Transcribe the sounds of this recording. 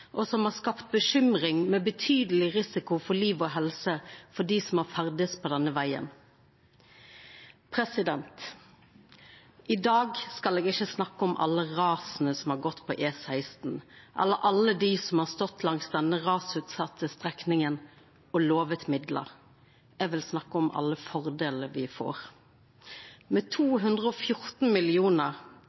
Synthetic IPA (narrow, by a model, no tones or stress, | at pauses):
ʔɔsɔmhɑːskɑpt̪̚bəʃʏmʁɪŋmɛːbət̪ʰyːd̪əlɪʁɪsɪkʊfɔliːʋɔɦɛlsəfɔɖiːsɔmɑːɾfæʁd̪əspʰɔd̪ɛnːəʋæɪə̰n | pʰɾɛsɪd̪ɛnt̪ | ɪd̪ɑːɡskɑleːɡɪçəsnɑkːəɔmʔɑ̰lːəʁɑːsn̩əsɔmhɑːɾɡɔt̪ːpʰɔʔeːsæɪst̪n̩ʔɛ̰lːəɾʔɑləd̪iːsɔmhɑːʁst̪ɔt̪ʰːlɑŋsd̪ɛnəʁɑːsʉːt̪sɑt̪ʰːəst̪ʁɛknɪŋən | ɔloːʋət̪mɪd̪lə̰ʁ | ɛːʋɪlsnɑkːəɔmʔɑ̰lːəfɔʁd̪eːləɾʋɪfo̰ːʁ | mɛːt̪ʰuːɦʉnd̪ʁəɔːfjʊʁt̪n̩mɪlɪuːnəʁ